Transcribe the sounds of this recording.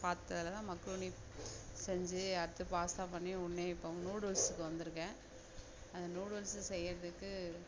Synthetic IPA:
paːɾt̪ɯt̪ːɐɐlɐt̪ãːmɐkːɾuːni | sɛɲd͡ʒɯɐɾɯt̪ːɯpaːst̪ãːpɐɳːiʊɳːeːɪpːoʊŋnuːɽʋɐɾsɯkːɯʋɐnd̪ɯɾɯkːẽː | ɐnd̪ɐnuːɽɯʋɐɾɪsɯsɛjːɐɾɐðɯkːɯ

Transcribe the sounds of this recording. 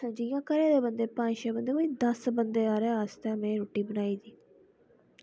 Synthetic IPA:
ə̃d͡ʒijãːkəɾẽːd̪eːbənd̪eːpãːt͡ʃeːbənd̪eːkoĩːd̪əsbənd̪eːaːɾeaːst̪ɛ̃ːmɛẽːɾoːʈːiːbənaːiːd̪iː

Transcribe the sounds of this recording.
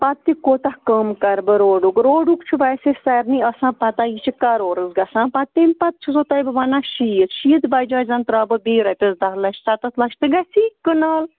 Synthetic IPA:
pɐt̪ːikoːt̪ɐhkɐmkɐɾbɨɾoːɖukɾoːɖukt͡ʃʰubɐjsesɐɾniɐsãːpɐt̪ajit͡ʃʰikɐɾoːɾɨzɡɐsãːpɐt̪ːemʲpɐt̪̚t͡ʃʰizot̪ɐjbɨʋɐnaʃiət̪ʃiːd̪bɐjd͡ʒaːzɐnt̪ɾaːbɨbiːɾɐt̪ʲɐzd̪ɐɦlɐt͡ʃsɐt̪ɐt̪ʰlɐʃʰt̪ɨɡɐsikənaːl

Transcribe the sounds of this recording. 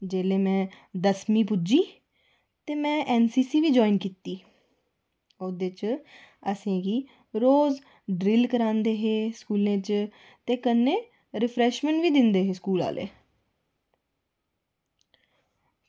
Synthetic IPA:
d͡ʒeːleːmɛ̃ː | d̪əsmĩːpʊd͡ʒiː | t̪eːmɛ̃ːʔɛːnsiːsiːʋiːd͡ʒɔːinkit̪ːiː | od̪eːt͡ʃ | əsẽːɡiː | ɾoːz | ɖɾɪlkəɾãːnd̪eːɦeːskuːlẽːt͡ʃ | t̪eːkənːẽː | ɾɪpʰɾɛːʃmɛ̃ɳʈʋiːd̪ɪnd̪eːɦeːskuːla̰ːlʔḛː

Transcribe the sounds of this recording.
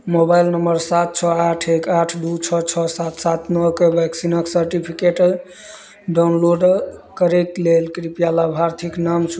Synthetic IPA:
mobajlnəmbəɾsat̪̚t͡ʃʰɔaʈʰekaʈʰd̪ut͡ʃʰɔt͡ʃʰɔsat̪sat̪nɔkebʱɛksinəksəɾʈipʰikeʈ | ɖawnloɖkəɾeklelkɾipijalabʱaɾt̪ʰiknamt͡ʃʰu

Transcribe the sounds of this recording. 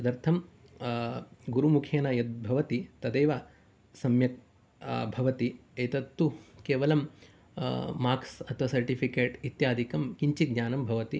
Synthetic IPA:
ɐd̪ɐɾt̪ʰɐm | ɡuɾumukʰeːnaːjɐt̪̚bʱɐʋɐt̪it̪ɐd̪eːʋa | sɐmjɐk̚ | bʱɐʋɐt̪iɐjt̪ɐt̪ːukeːʋɐlɐm | aːksɐt̪ʰʋɐsɐɾʈipʰikeːʈit̪jaːd̪ʱikɐmkiɲt͡ʃiɡɲaːnɐmbʱɐʋɐt̪i

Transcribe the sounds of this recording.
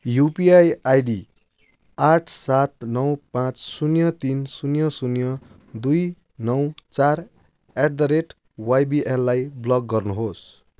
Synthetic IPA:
jupiajajɖi | aʈʰsat̪̚nʌwpãt͡ssunjʌt̪insunjʌsunjʌ | d̪uj | nʌwt͡sar | eʈ̚d̪ʌɾeʈ | wajbiʔelːajblʌɡːʌrnuɦos

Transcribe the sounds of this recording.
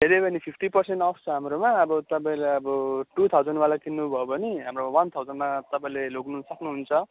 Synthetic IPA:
d̪ʱeɾebʌnipʰipʰʈipʌrseɳʈʌpʰt͡sʰʌɦamɾomaːbʌt̪ʌpãĩleʌbʌʈut̪ʰawd͡zʌnwalakʰinːubʱʌjobʌniɦamromawʌnt̪ʰawd͡zʌnmat̪ʌpãĩleloɡnusʌknuɦunt͡sʰʌ

